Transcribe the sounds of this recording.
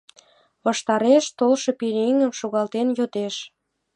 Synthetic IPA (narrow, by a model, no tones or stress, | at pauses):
βɑʃt̪ɑɾeʃt̪olʃɤ̽piɾiŋə̆mʃoɣɑlt̪enjot̪eʃ